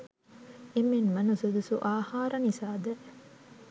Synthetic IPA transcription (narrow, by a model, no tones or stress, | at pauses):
emːenmɐnusud̪usṵʔaːhaːɾɐnisaːd̪ɐ